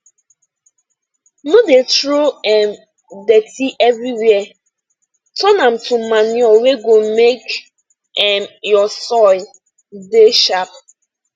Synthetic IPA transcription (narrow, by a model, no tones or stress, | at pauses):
nodetɾoɛm | detiʔɛvɾiwɛɛ | tɔnãmtʰumanɔweɡomek | ɛmjɔsɔl | deʃap